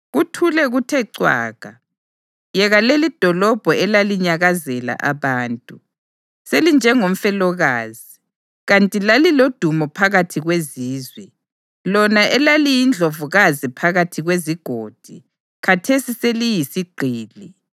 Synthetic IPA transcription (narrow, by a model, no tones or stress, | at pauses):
ɣutʰulɛɣutʰɛǀwa̰ːɣ̥ʱa | jɛɣalelid̥ʱɔlɔb̥ʱɔɛlaliɲaɣazɛla̰ʔaβaːntʼu | selind͡ʒʱɛŋom̩fɛlɔɣaːzi | ɣantʼilalilod̥ʱumɔpʰaɣatʰiɣweziːzwɛ | lɔnaʔɛlalijind͡ɮʱovuɣazipʰaɣatʰiɣweziɡ̥ʱoːd̥ʱi | kʰatʰesiselijisiɡ͡ǀʱiːli